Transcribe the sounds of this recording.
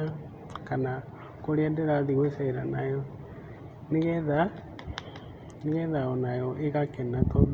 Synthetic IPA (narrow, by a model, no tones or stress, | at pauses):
kana | koɾiandɛɾaðiɣwesɛiɾanajɔ | niɣɛða | niɣɛðaɔnajɔʔeɣakɛnato